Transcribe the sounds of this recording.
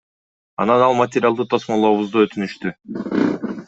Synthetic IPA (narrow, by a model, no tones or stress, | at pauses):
ɑ̰nɑnɑlˠmat̪ʲɪɾʲjalˠd̪ut̪ʰosmolˠoːβuzd̪uø̞t̪ʰynyʃt̪y